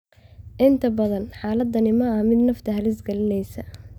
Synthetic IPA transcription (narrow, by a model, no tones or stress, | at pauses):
ʔɪnt̪ʰɐbɐðɐnħaːlɐd̪ɐnɪmɐɐmɪd̪nɐft̪ʰɐɦɐlɪsɡɐlɪnɛjsɐ